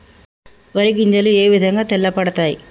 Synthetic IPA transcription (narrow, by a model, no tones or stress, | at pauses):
ʋɐɾiɡiɲd͡ʒɐlueːʋid̪ʱɐŋɡaːt̪ɛlːɐpɐɽɐt̪aːji